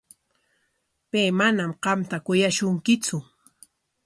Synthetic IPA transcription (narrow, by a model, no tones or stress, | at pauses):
pejmanamɢɑmt̪akʊjaʃʊŋkɪt͡sʊ